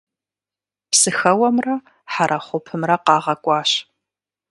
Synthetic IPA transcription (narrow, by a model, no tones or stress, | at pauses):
psɨxɐwɐmrɐ | ħaɾʔɐχʷʊpʰɨmrɐqɑːʁɐkʷʼɑːɕ